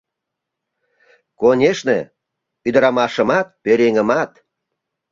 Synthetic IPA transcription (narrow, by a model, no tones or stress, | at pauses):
konʲeʃnḛ | yd̪əɾɑmɑʃə̆mɑt̪̚peɾeŋəmɑt̪